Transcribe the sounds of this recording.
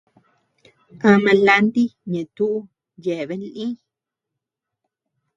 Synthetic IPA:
ã˧mã˧la˧nd̪i˦ɲẽ˨t̪u˦ʔu˦ | je˨βe˦n˦lĩ˦

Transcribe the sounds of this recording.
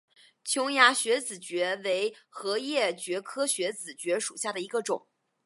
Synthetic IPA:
t͡ɕʰjʊ˥ŋja˧˥ɕɥɛ˧˥t͡sɹ̩˨˩t͡ɕɥɛ˧˥we˧˥ɪxɤ˧˥jɛ˥˩t͡ɕɥɛ˧˥kʰɤ˥ɕɥɛ˧˥t͡sɹ̩˨˩t͡ɕɥɛ˧˥ʂu˨˩ɕja˥˩d̪ə˩i˧˥ɡə˧ʈ͡ʂʊ˨˩˦ŋ

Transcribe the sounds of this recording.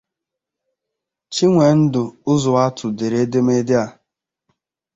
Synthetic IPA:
t͡ʃi˦ŋʷe˨n̩˦dʊ˨ʊ˦zʊ˨a˦tʰʊ˨de˨ɾe˦de˦m˦e˦dɪ˦a˨

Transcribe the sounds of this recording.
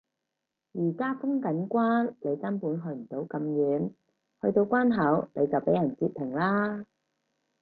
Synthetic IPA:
jiː˨˩kaː˥fʊ˥ŋkɐ˨˥nkʷwaː˥nle˨˧jt͡sɐ˥npuː˨˥nɦɵ˨˧m̩˨˩t̪o˨˥wkɐ˨˧mjyː˨˥n | hɵ˧ɥt̪o˧wkʷaː˥nɦɐ˨˥wnʔe˨˧jt͡sɐ˨wpe˨˥jɐ˨˩nt͡siː˧p̚pʰːɪ˨˩ŋlaː˥

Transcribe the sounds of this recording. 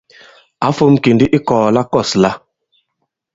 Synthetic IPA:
a˨˦fo˦mki˨ndi˦ʔi˦kɔː˨la˦kɔ˦˨sla˦

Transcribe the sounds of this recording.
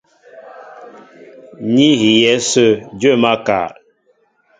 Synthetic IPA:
ɲi˦ɦi˨jɛ˦sə˦d͡ʒə˦˨ma˦ka̰˨ɾ

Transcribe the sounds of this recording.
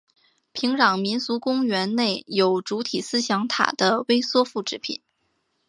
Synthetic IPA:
pʰi˧˥ŋɻɑ˨˩ŋmi˧˥nsu˧˥kʊ˥ŋɥɛ˧˥nne˥˩ɪjo˨˩ʊʈ͡ʂu˧˥t̪ʰi˨˩sɹ̩˥ɕjɑ˧˥ŋt̪ʰa̰˨˩d̪ə˦we˥ɪswɔ˥fu˥˩ʈ͡ʂɻ̩˧˥pʰḭ˨˩˦n

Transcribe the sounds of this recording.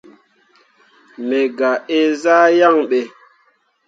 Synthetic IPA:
me˨ɡa˨e˦zaː˦ja˦˨ŋɓe˨

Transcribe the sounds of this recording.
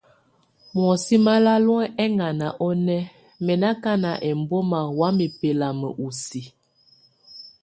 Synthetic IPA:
m˨ɔ˨si˦ma˦la˦lɔ˦ɛ˦ʔɛ˦ŋɡa˨na˨ʔɔ˦nɛ˦ | mɛ˨na˦ka˦na˨ʔɛ˨mbɔ˦ma˨wa˨˦mi˨pe˨la˨mə̰˨ʔu˨si˨

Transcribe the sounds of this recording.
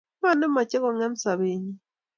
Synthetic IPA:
ma˦no˦ma˨ce˦ko˨ŋa˦mi˨sa˨βe˨ɲi˦

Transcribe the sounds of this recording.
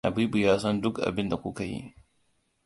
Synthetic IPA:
ʔa̰˨biː˦bu˨jaː˦sɐ˦ndʊ˦kʔa̰˨bɪ˦nda˨kʷu˦ka˨jḭ˦

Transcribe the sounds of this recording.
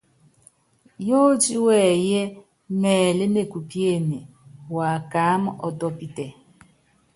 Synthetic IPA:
jo˦d͡ʒi˦wɛ˦˨jɛ˦ | mɛː˨le˦mne˨ku˨pje˦˨ne˨ | wa˨ka˨˦m˦ʔɔ˨tɔ˦pi˦tɛ˨

